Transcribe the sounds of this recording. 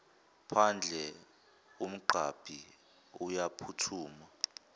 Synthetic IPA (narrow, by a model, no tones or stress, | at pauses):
pʰand͡ɮʱɛ | um̩ɡ͡ǃʱab̥ʱi | ujapʰutʰuːma